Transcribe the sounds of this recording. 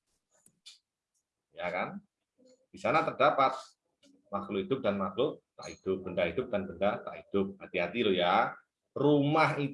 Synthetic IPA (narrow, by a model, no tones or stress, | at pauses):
jakan | d̥isanat̪ərdapat̪̚ | makluid̪̥ʊp̚danmaklut̪a̰ʔid̪̥ʊp̚b̥əndaɦid̥̪ʊp̚d̥anbəndat̪aʔid̪̥ʊp̚hat̪iɦat̪iloja | rumahi